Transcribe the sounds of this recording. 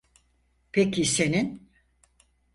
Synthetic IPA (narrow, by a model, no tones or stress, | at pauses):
pʰecʰise̞nin